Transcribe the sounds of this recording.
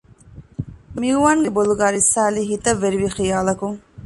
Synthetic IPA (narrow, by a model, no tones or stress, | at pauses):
miuʋaːŋɡeboluɡaːɾisːaːliɦit̪ɐʋːeɾiʋixijaːlɐkuŋ